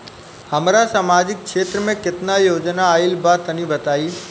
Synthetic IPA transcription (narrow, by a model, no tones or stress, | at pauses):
hɐmɾasaːmaːd͡ʑɪk̚kʃeːt̪ɾəmẽkɪt̪najoːd͡ʒnaːɪlbaːt̪ɐnĩbɐt̪aːiː